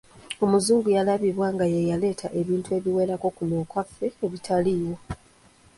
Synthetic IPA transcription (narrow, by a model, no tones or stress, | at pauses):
o̞muzuːŋɡujalaβiβwaːŋɡajejale̞ːtʰaʔe̞βiːntue̞βiwe̞ːɾako̞kunoːkwafe̞ːβitʰalijo̞